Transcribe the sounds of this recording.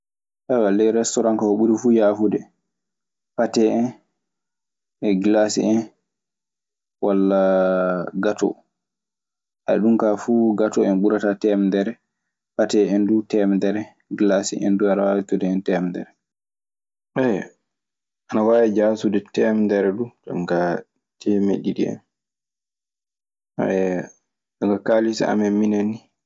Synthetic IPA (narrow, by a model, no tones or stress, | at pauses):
ʔawalɛɾɛstɔɾankahoɓuɾifujaːfudɛ | patɛɛn | ɛɡlasḭɛn | walːa | ɡatɔ̰ | ʔaɗumkafuɡatɔɛnɓuɾatatɛmdɛɾɛ | batɛɛndutɛmdɛɾɛ | ɡlasḭʔɛ̰nduanawawitudɛɛntɛmdɛ̰ɾɛ | ʔɛ | ʔanawaːwid͡ʒasudɛtɛmdɛɾɛɗud͡ʒa̰mka | tʰɛmḛɗiɗḭɛ̰n | aɛ | ɗaŋɡakaːlisa̰a̰mɛminani